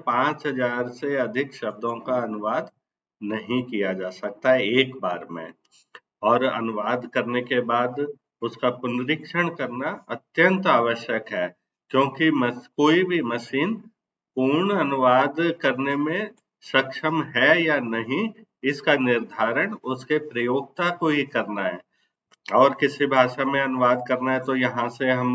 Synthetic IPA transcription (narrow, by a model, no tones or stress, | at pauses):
pãːt͡ʃɦɐd͡ʒaːɾseɐd̪ʱɪkʃɐb̚d̪ʱõkaɐnʊʋaːd̪ | nɐɦĩkijad͡ʒaːsɐk̚t̪aɦɛeːkbaːɾmḛ̃ | ɔːɾɐ̰nʊʋaːd̪kɐɾnekebaːd̪ | ʊskapʊnɾɪkʃəɽ̃kɐɾnaɐt̪jə̃nt̪aːʋəʃjəkɦɛː | kjõːkimkoːibʱimɐsiːn | puːɾɳɐnʊʋaːd̪kɐɾnemẽ | sɐkʃəmɦɛjanɐɦĩ | ɪskanɪɾd̪ʱaːɾəɽ̃ʊskepɾɐjoːɡ̚t̪akoɦikɐɾnaɦɛː | ɔːɾkɪsibʱaːʃamẽɐnʊʋaːd̪̚kɐɾnaɦɛt̪ojɐɦãseɦɐm